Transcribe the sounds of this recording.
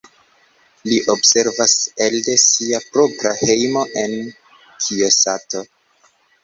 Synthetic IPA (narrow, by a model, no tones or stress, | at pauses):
liʔo̞bse̞ɾvase̞lde̞siapɾo̞pɾahe̞jmo̞ʔe̞n | kʰiosato̞